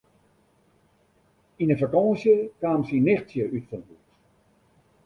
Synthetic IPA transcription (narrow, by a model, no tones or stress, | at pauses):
inəfakɔ̃ːsjəkaːmsinɪxtsjəʔytfɔnut